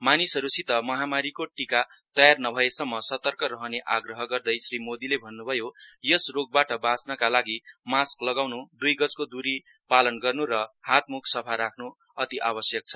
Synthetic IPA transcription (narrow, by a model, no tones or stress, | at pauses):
manisʌɾusit̪ʌmʌɦamaɾikoʈika | t̪ʌjarnʌbʱʌesʌmːʌsʌt̪ʌrkʌɾʌɦʌneʔaɡrʌɦʌɡʌrd̪ʌjsrimod̪ilebʱʌnːubʱʌjojʌsroɡ̚baʈʌbat͡snʌkalaɡimasklʌɡawnud̪ujɡʌt͡skod̪uɾi | palʌnɡʌrnuɾʌhat̪̚muksʌpʰaɾakʰnu | ʌt̪iʔabʌsjʌk̚t͡sʰʌ̥